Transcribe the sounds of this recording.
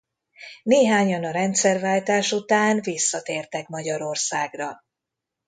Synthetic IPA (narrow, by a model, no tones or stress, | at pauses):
neːɦaːɲɒnɒɾɛnt̪sɛrvaːlt̪aːʃut̪aːnvisːɒt̪eːrt̪ɛkmɒɟɒɾo̞rsaːɡrɒ